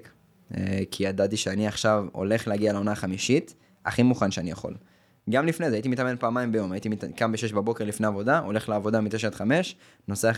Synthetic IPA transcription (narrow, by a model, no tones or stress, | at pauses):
k | ḛkʰiad̪at̪iʃeaniaχʃavo̞̰le̞χleaɡialeo̞naχamiʃit̪ | a̰χimuχanʃeanijaχo̞̰l | ɡamlifne̞zeajit̪̬imit̪ame̞npaːmaimbejo̞majit̪imikambeʃe̞ʃbabo̞keʁlifneavo̞d̪aʔo̞le̞χleavo̞d̪amit̪eʃ̬at̪χame̞ʃ | no̞sa